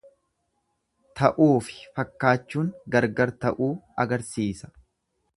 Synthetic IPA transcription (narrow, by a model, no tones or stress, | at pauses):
t̪ɐʔuːfɪ̥fɐkːaːt͡ʃːuːŋɡɐɾɡɐɾt̪ɐʔuːɐɡɐɾsiːsɐ̥